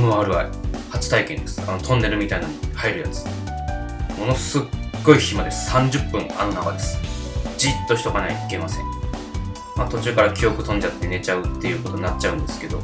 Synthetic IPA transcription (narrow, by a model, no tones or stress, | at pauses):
mɯaɾɯβaihat͡ɕi̥t̪aikẽ̞nd̪e̞sɨ̥ano̞t̪ʰõ̞nːe̞ɾɯ̟mʲit̪ainanoihaiɾɯ̟jat͡sɨ̥ | mo̞no̞sɨɡo̞içimad̪e̞sɨ̥sãɲ̟d͡ʑɨpːɯ̟̃ŋa̰no̞nakad̪e̞sɨ̥d͡ʑit̪ːo̞çi̥t̪o̞kanaiike̞masẽ̞̰ŋ | mat̪o̞t͡ɕɨːkaɾakʲʰio̞kɯ̟t̪õ̞ɲ̟d͡ʑat̪ːe̞ne̞t͡ɕaɯ̟t̪ːe̞jɯ̟ːkot̪o̞ɲinat͡ɕt͡ɕːaɯ̟̃nd̪e̞sɨ̥ke̞d̪o̞̰